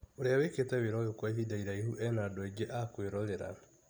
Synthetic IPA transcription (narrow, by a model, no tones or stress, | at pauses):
oɾeaweketɛweɾɔɣekwaiɦidaiɾaihuʔɛnadoɛɡeʔakweɾɔɾeɾa̰